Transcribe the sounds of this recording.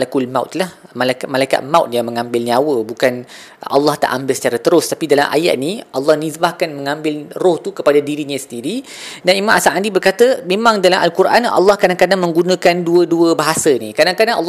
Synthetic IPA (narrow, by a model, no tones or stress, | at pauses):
lakulmawt̪lahmalakmalaika̰t̪̚mawt̪̚jaŋmə̃ŋãmbɪlniawəbukan | ʔɑ̰lːɑht̪a̰ʔambɪlsə̥t͡ʃaɾat̪əɾʊst̪apidalamʔa̰ja̰ʔ̪̚niʔɑlːɑhnisbahkanməŋãmbɪlrɔht̪ukəpadadiɾiɲasə̥ndiɾi | danimamasamadibərkat̪əmemãŋdalamʔalkuɾʔanɑ̰lːɑhkɾadaŋkadaŋmə̃ŋɡunãkanduəduəbaɦasənikɾadaŋkadaŋʔɑ̰lː